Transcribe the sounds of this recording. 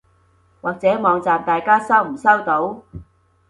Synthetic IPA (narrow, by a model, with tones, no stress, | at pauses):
waː˨k̚t͡sɛː˨˥mɔː˨˧ŋt͡saː˨mt̪aː˨jkaː˥sɐ˥wm̩˨˩sɐ˥wt̪o˨˥w